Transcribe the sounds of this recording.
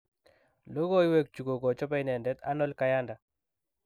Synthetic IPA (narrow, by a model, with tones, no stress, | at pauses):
lo˦ɡo˦jwe˦k̚t͡ʃu˨ɡo˨ɡɔ˨t͡ʃɔ˦pa˦i˦nɛ˨ndɛ˦t̪a̰˦nɔ˦lka˦ja˦nda˨